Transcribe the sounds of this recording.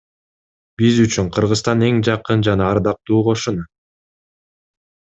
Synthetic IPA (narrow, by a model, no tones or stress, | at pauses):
b̥izyt͡ʃyŋqʰɯɾʁɯzt̪ɑne̞ŋd͡ʒɑqɯnd͡ʒɑnɑːɾd̪ɑq̚t̪uːqʰo̞ʃun